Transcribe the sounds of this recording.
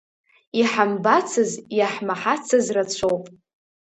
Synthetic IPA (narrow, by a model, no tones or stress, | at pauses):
iħambat͡sʰɨzjaħmaħat͡sʰɨzrat͡ɕʷʰowpʼ